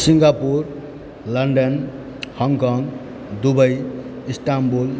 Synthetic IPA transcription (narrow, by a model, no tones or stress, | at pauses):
siŋɡapuɾ | lʌnɖʌn | hʌŋkʌŋɡ | d̪ubʌj | isʈambul